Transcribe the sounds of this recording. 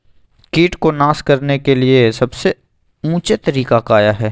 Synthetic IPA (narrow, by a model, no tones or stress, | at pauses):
kiːʈkonaːskɐɾnekeliesɐbse | ũːt͡ʃet̪ɐɾiːkakaːjaɦɛː